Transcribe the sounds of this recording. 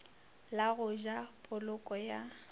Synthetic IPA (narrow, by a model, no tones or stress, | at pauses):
laɣʊʒapʼʊlʊkʼɔja